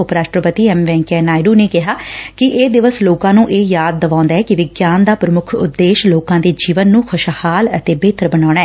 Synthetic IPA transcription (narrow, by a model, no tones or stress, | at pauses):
ʊpɾaːʃʈɾəpət̪iːɛːmʋɛ̃ːŋkɛːnaːɪɖuːneːkɪɦaːkɪʔeːd̪ɪʋəsloːkãːnũːʔeːjaːd̪̚ːəʋãːnd̪aːɦɛːkɪʋɪɡjaːnd̪aːpɾəmʊkʰʊ̰t̪d̪ːeːʃloːkãːd̪eːd͡ʒiːʋənːũːkʰʊʃhaːlə̰t̪eːbeːt̪əɾbənaːɽ̃aːɛː